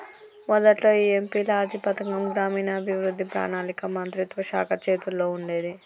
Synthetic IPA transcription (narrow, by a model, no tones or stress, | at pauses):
mɔd̪ɐʈloːiːempiːlɐaːd͡ʒ̪ipɐt̪ɐŋɡɐmɡɾaːmiːnɐːbʱiʋɾud̪ʱːipɾa̰ːnaːnikɐmɐnt̪ɾut̪ʋɐʃa̰ːkʰɐt͡ʃeːt̪ulːo̞ːuɳɖe̞ːd̪i